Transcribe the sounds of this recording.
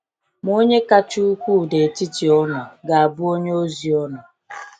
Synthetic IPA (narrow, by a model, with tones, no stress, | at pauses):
m˦o˦ɲe˦ka˦t͡ʃu˦u˦kʷu˦˨de˨ti˦ti˨ɔ˦nɔ˨ɡa˨a˨bʊ˦o˦ɲ˦o˦zi˨ɔ˦nɔ˨